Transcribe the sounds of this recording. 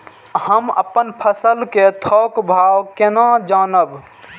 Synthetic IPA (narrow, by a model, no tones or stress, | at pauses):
həmə̰pːənpʰəsəlket̪ʰɔkbʱawkenãd͡ʒaːnəb